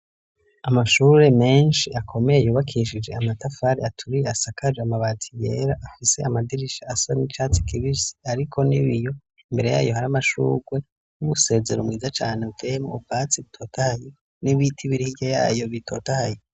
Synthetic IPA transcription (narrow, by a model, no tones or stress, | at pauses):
amaʃuːɾe̞me̞ːnʃiʔakʰo̞me̞jejuːβakʰiʃid͡ʒe̞̰amatafaɾiatʰuɾijeasakʰad͡ʒeamaβatʰije̞̰ːɾaʔafise̞amadiɾiʃaasanit͡ʃaːt͡si̥kʰiβisi̥aɾikʰo̞niβijo̞ | imbe̞ɾe̞ja̰ːjohaɾamaʃṵːɡwe̞ | numuse̞ːze̞̰ɾomŋiːzat͡ʃaːneutʰejemo̰ub̚ɡat͡siβitʰo̞ːtʰahaje | niβitʰiβiɾihiɟaja̰ːjo̞βitʰo̞ːtahaje